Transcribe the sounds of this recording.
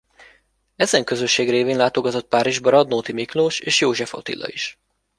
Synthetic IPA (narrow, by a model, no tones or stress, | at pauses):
ɛzɛŋkø̞zøʃːeːɡreːveːnlaːt̪o̞ɡɒt̪o̞t̪̚paːɾiʒbɒɾɒd̪noːt̪imikloːʃeːʃjoːʒɛfo̰t̪ḭlːɒ̰iʃ